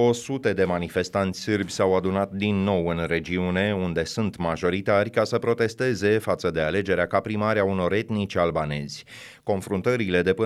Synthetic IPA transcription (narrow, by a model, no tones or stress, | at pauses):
o̞sut̪e̞d̪e̞manife̞st̪ant̪sʲsɨrbʲsawad̪unat̪̚d̪inːo̞wɨnre̞d͡ʒiune̞und̪e̞sunt̪maʒo̞ɾit̪arʲkasəpɾo̞t̪e̞st̪e̞ze̞fat̪səd̪e̞ale̞d͡ʒe̞ɾeakapɾimaɾeauno̞ɾe̞t̪nit͡ʃʲalbane̞zʲ | ko̞nfɾunt̪əɾile̞d̪e̞pə